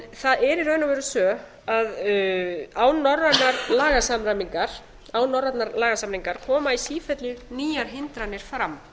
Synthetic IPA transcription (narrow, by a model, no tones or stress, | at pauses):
θaðɛɾiɾœːɥnavɛɾʏsœː | að | aːwnɔrːat̪naɾlaːɣasamɾamiŋkaɾ̥ | aːwnɔrat̪naɾlaːɣasamɾiŋkaɾ̥kʰɔːmaisiːfɛt̪lʏniːjaɾ̥ɦɪnt̪ɾanːɪɾ̥fɾam